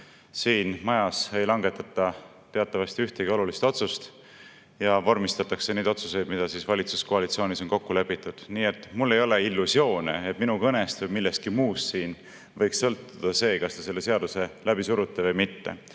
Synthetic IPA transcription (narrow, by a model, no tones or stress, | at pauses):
siːnmɑjɑse̞jlɑŋɡe̞t̪ːˑɑt̪ːˑɑ | t̪e̞ɑt̪ːˑɑvɑst̪iyht̪eɡio̞lulist̪o̞t̪sust̪ | jɑvɑrmist̪ɑt̪ːˑɑkse̞ne̞ːd̪o̞t̪suse̞jd̪mid̪̥ɑsiːsvɑlʲit̪su̥skoɑlit̪sioːniso̞nko̞kːule̞pːit̪ːˑud̪̥niːe̞t̪ːˑmulːe̞jo̞leilːusio̞ːnḛet̪minukɤnest̪vɤjmilːest̪̚kimuːssiːn | vɤjkssɤlt̪ːud̪̥ɑse̞ːkɑst̪ese̞lːe̞se̞ɑd̪use̞læbisuɾut̪ːˑevɤjmit̪ːḛ